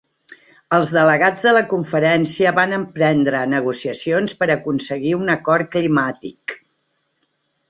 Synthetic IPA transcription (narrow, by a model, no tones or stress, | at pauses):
əlˠzðələɣad͡zðələkuɱfəɾɛnsiəβanəmpɾɛnd̪ɾənəɣusiəsionspəɾəkunsəɣiunəkɔr̚klimat̪ik